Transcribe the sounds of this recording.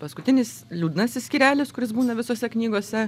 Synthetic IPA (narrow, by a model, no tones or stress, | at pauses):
pɐskʊt̪ʲɪnʲɪs | lʲuːd̪ʲnɐsʲɪsʲkʲiːɾʲæːlʲɪskʊɾʲɪsbuːnɐʋʲɪsoːsʲɛknʲiːɡoɔsʲɛ